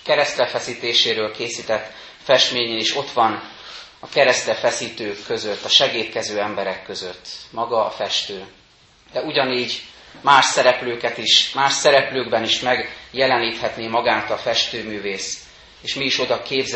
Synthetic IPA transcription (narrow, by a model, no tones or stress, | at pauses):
kɛɾɛst̪ɛfɛsiːt̪eːʃeːɾøːlkeːsiːt̪ɛt̪ː | fɛʃt̪meːɲeːniʃo̞t̪ʋɒn | ɒkɛɾɛst̪ɛfɛsiːt̪øːkːøzøt̪ːɒʃɛɡeːt̪kɛzøːɛmbɛɾɛkːø̞zøt̪ːmɒɡɒːfɛʃt̪øː | d̪ɛuɟɒniːɟmaːʃsɛɾɛpløːkɛt̪iʃmaːʃsɛɾɛpløːɡbɛniʃmɛɡjɛlɛniːt̪hɛt̪neːmɒɡaːt̪ɒfɛʃt̪øːmyːveːs | eːʃmiːʃo̞d̪ɒkeːbz